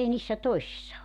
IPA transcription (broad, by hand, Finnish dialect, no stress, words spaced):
ei niːsːæ toi̞sisːɑ